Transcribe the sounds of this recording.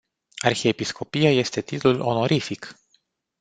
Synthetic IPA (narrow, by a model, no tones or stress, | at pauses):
arxiepisko̞pijaje̞st̪e̞t̪it̪lulo̞̰no̞ɾʔifik